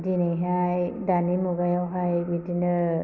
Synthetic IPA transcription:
dinejɦajdanimuɡajɔwɦajbitinɯ

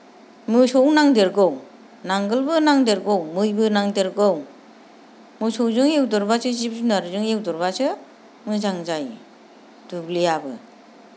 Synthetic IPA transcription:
mɯsɔwnaŋdeɾɡow | naŋɡɯlbɯnaŋdeɾɡɔwmɯjbɯnaŋdeɾɡɯw | mɯsɔwzɯŋewdɔɾbasɯzip̚zunaɾɯzɯŋewdɔɾbasɯ | mɯzaŋzaj | d̥ublijabɯ̰

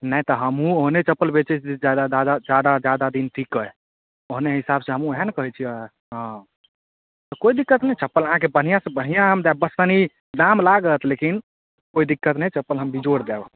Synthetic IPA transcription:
nəĩt̪ɔɦəmɦũoɦnet͡ʃəpːəlbet͡ʃɛt͡ʃʰed͡ʒad̪ad̪ad̪ad͡ʒjad̪ad͡ʒjad̪ad̪int̪ʰikəe | oɦneɦisabsẽɦəmũeɦənkəɦɛt͡ʃʰiə | ɦə̃ | t̪ɔkoid̪ikːət̪nəjt͡ʃəpːələɦãkebəɽ̤ijãsẽbəɽ̤ijãɦəmd̪ɛb̚bəst̪əni | d̪amlaɡət̪ʰlekin | koid̪ikːət̪nəjt͡ʃəpːəlɦəmbid͡ʒoɽd̪ɛbə

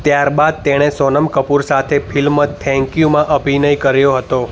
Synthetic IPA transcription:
t̪jaɾbad̪̚t̪eɽ̃esɔnəmkəpuɾsat̪ʰefʰilmət̪ʰɛ̃ŋkjumãʔəbʱinəjkəɾjoɦət̪o

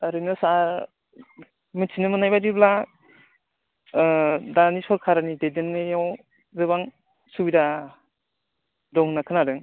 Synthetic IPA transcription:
aɾɯnɯsa | mɯt͡ʃʰinɯmɯnajbaɾibla | danisɔɾkʰaɾanidejdɯnːɯjaw | zɯβaŋ | subida | dɔŋnakʰɯnaɾɯŋ

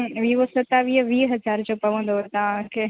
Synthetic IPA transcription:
ʋiːʋosɐt̪aʋiːɦəʋiːɦɐzaːɾd͡ʑoːpɐʋə̃n̆d̪ot̪ɐʋ̤ãke

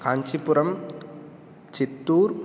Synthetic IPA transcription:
kaːɲt͡ʃipuɾɐm | t͡ʃit̪ːuːɾ

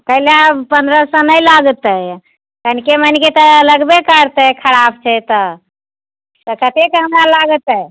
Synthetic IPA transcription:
kəilepənd̪ɾəsə̃nəjlaɡt̪ə | kənikemənket̪ələɡbekəɾt̪əkʰəɾabt͡ʃʰɛt̪ə | t̪əkət̪ekəɦmalaɡət̪ə

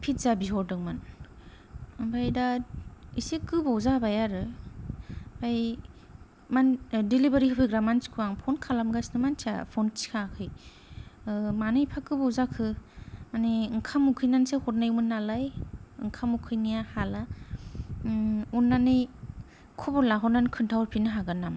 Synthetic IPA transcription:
pʰit̚zabiɦɔɾdɯŋman | bʱajdaisekɯbawzabajaɾɯ | baj | mandelibaɾikʰɯpʰɯjɡɾamanskʰuaŋpʰɔnkʰalamɡasnɯmantʰa̰pʰɔnt͡ʃi̥kʰakʰɯj | manɯjpʰakɯbɔwzakʰɯmaniɯŋkʰamukʰɯjnansehɔt̚najmɯnːalajɯ̰ŋkʰamukʰɯjnijahala | unːanɯj | kʰɔbɔlaɦɔnankʰɯntʰawɾpʰinɯɦaɡɯnam

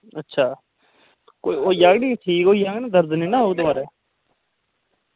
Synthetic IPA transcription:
ətːʃʰaː | koːioːjaːɡnĩːʈʰiːkoːijaːɡnĩːd̪əɾd̪niːnãːɦouːd̪əmaːɾɛː

